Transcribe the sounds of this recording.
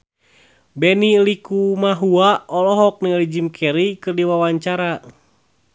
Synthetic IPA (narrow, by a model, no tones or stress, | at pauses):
bɛnilikumaɦuaɔlɔɦɔk̚nilid͡ʒimkʰɛɾikɨrdiwawaɲt͡ʃaɾa